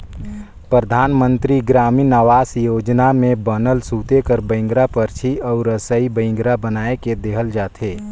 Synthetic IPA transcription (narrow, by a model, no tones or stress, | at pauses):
pɾəd̪ʱaːnmə̃nt̪ɾiɡɾaːmiːnaʋaːsjoːd͡ʒnamẽbənəlsuːt̪ekəɾbə̃ɪ̃ŋɡɾapəɾt͡ʃʰiɔːɾəsəibəɪ̃ŋɡɾabənaːeked̪eːɦəld͡ʒaːt̪ʰeː